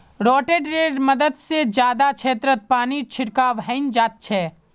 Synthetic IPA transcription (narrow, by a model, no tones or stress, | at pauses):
ɾɔːʈeɖɾeːɾməd̪əd̪sed͡ʒjaːd̪at͡ʃʰeːt̪ɾət̪̚paːnit͡ʃʰɪɾkaːʋɦə̃ɪnd͡ʒaːt̪̚t͡ʃʰɛː